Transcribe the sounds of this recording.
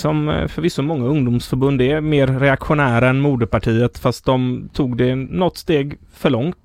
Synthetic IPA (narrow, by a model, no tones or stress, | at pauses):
sɔmfœɾvɪsːɔmɔŋːaɵŋd̪ʊmsfœɾbɵnd̪ɛmeːɾːɛakɧʊnæːɾaɛnmuːd̪əpaʈʰiːət̪fast̪̚d̪ɔmt̪ʰuːɡd̪ɛnɔt̪ːst̪eːɡ | fœɭɔŋt̪